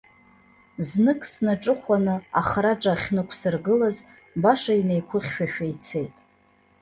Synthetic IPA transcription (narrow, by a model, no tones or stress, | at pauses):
znɨkʼsnaʈ͡ʂʼɨχʷanɨaχraʈ͡ʂʼaχʲnɨkʷʰsɨrɡɨlaz | baʂaine̞jkʷʰʊχʲʃᶣaʃᶣajt͡sʰe̞jtʼ